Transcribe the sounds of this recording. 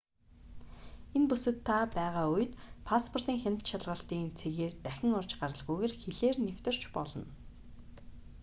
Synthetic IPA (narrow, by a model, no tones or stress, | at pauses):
enpusɘ̆t̪ʰːapæːʁaːuj̆t̪pʰaspʰɔr̥t̪iːŋxʲan̥ʲt̪ʃaɮʁə̆ɬt̪iːnt͡sʰeɣeːrt̪æxʲɪ̆ŋʊrt͡ɕɢaɾə̆ɮʁujɣeːrxeɮeːrnewt̪ɘ̆r̥t͡ɕpɔɮɞ̆n